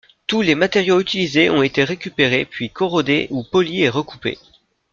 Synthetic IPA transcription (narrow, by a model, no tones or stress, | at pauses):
t̪ulemat̪eʁjoyt̪ilizeʔɔ̃et̪eʁekʲypeʁepɥikʰɔʁɔd̪eʔupɔlieʁəkupḛ